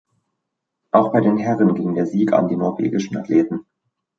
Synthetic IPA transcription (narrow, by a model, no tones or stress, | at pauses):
ʔaʊxb̥aɪdeːnɦɛʁənɡɪŋdeːɐziːka̰ndiːnɔɐvḛːɡɪʃn̩a̰tʰleːtn̩